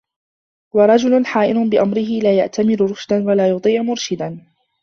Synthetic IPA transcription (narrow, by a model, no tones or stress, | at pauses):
wɑɾˤɑd͡ʒʊlʊnħaːʔɪnʊnbɪʔamɾɪɦɪlaːjaʔt̪amɪɾʊɾʊʃd̪anwalaːjʊt̪ˤiːʕmʊɾʃɪd̪an